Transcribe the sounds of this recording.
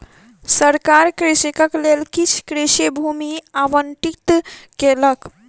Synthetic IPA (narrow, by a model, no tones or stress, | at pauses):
səɾkaɾkɾisikəklelkit͡ʃʰkɾisibʱumiaʋənʈikt̪kelək